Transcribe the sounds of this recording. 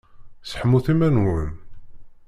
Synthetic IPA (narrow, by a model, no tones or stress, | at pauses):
sħmːuθimænwəm